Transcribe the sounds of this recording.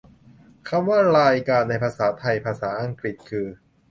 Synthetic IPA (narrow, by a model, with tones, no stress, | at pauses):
kʰa˧mwaː˥˩ɾaː˧jkaː˧nːa˧jpʰaː˧saː˩˦t̪ʰa˧jpʰaː˧saː˩˦ʔa˧ŋkɾi˨˩t̪̚kʰɯː˧